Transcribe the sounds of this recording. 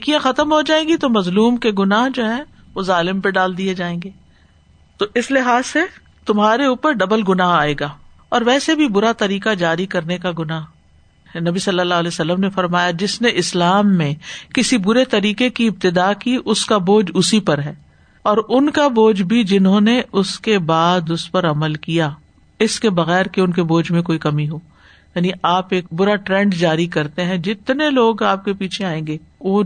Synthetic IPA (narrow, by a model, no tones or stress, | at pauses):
kijãxɐt̪əmɦod͡ʒaːẽːɡit̪omɐzluːmkeɡʊnaːɦd͡ʒoːɦɛ̃ | ʋozaːlɪmpeɖaːld̪ied͡ʒaːẽːŋɡeː | t̪oʔɪslɪɦaːzse | t̪ʊmɦaːɾeuːpəɾɖɐbəlɡʊnaɦaːeːɡaː | ɔːɾʋɛːsebʱibʊɾat̪ɐɾiːkad͡ʒaːɾikɐɾnekaɡʊnaːɦ | nɐbisɐlːəlːaːɦlɛːsɐlːəmnefɐɾmaːjad͡ʒɪsneʔɪslaːmːẽkɪsibʊɾet̪ɐɾiːkekiɪb̚t̪ɪd̪aːkiʔʊskaboːd͡ʒʊsipɐɾɦɛː | ɔːɾʊnkaboːd͡ʒbʱid͡ʒɪnɦõneʔʊskebaːd̪ʊspɐɾɐməlkija | ɪskebɐɣɛːɾkeʊnkeboːd͡ʒmẽkoːikɐmiɦoː | jaːniʔaːpeːk̚bʊɾaʈɾɛ̃ɳɖd͡ʒaːɾikɐɾt̪eɦɛ̃d͡ʒɪt̪neloːɡaːp̚kepiːt͡ʃʰeaːẽːŋɡeːoː